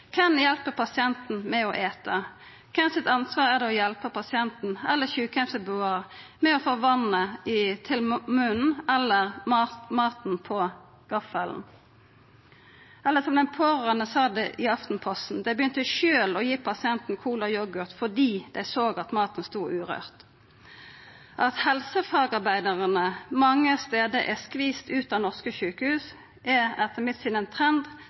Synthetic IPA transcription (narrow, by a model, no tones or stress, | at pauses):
kʰɛnjɛlpəpʰɑsɪɛnt̪n̩mɛɔʔeːt̪ə | kʰɛnsɪt̪ɑnsʋɑːʁæʁd̪ɛɔjɛlpəpɑsɪɛnt̪n̩ɛlːəçʉːkɛfsəbʉːɑʁmɛɔfoːʋɑnːəɪt̪ʰɪlmʉnn̩ɛlːəʁmɑmɑːt̪n̩pʰɔ | ɡ̥ɑfəln̩ | ʔɛlːəsɔmd̪ɛnpʰɔʁənəsɑːd̪ɛʔɪɑft̪n̩pʰɔst̪n̩d̪ɛɪbəjʏnt̪əʃøːlɔjiːpʰɑsɪɛnt̪n̩kʰuːlɑjɔɡʉʁt̪fɔd̪iːd̪̥æɪsoːɡɑt̪mɑːt̪n̩st̪uːʔʉːʁø̰ːʁt̪ | ʔɑt̪hɛlsəfɑːɡɑʁbæɪd̪əʁənəmɑŋːəst̪eːd̪əʔɛskʋiːst̪ʉːt̪ɑːnɔʁskəçʉːkəhʉːs | ʔɛɛt̪ʰəmɪt̪sɪd̪ɛnt̪ʰʁɛnd̪